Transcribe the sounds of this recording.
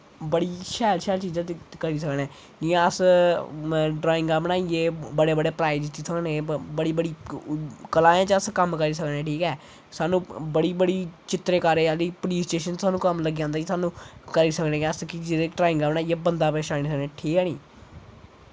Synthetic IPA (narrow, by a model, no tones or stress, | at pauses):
bəɽiːʃɛːlʃɛːlt͡ʃiːzãːt̪kəɾiːs̬əknɛ̃ː | d͡ʒiãəs | ɖɾaːɪ̃ŋɡaːbənaːieːbəɽeːbəɽeːpɾaːɪd͡ʒt͡ʃiːsəknẽːbəɽiːbəɽiː | kəlaːjãːt͡ʃəskəmkəɾiːs̬əknɛːʈʰiːkɛː | saːnũːbəɽiːbəɽiːt͡ʃɪt̪ɾeːkaːɾeːaliːpʊliːsʈeːʃənt͡ʃsaːnũːkəmləɡːãːnd̪aːiːsaːnũːkəɾiːsəkneːkːəskid͡ʒeʈɾaːɪ̃ŋɡaːbənaːieːbənd̪aːpeːʃaːniːsəknẽːʈʰiːkɛːnḭː